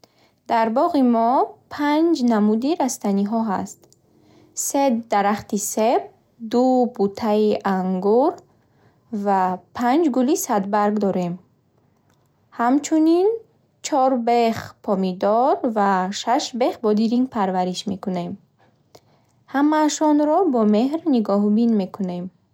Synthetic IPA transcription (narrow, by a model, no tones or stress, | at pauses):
d̪aɾbɔʁimɔpʰand͡ʒnamud̪iɾast̪aniɦɔɦa̰st̪ | se̞d̪aɾaχt̪iseb̚ | d̪ubut̪ʰaiʔaŋɡuɾ | vapʰand͡ʒɡulisad̪̚baɾɡd̪ɔɾe̞m | hamt͡ʃʰunin | t͡ʃʰɔɾbe̞χpʰɔmid̪ɔɾvaʃaʃbe̞χbɔd̪iɾiŋɡpʰaɾvaɾiʃme̞kune̞m | hamaʃɔnɾɔbɔme̞ɦɾniɡɔɦbinme̞kʰune̞m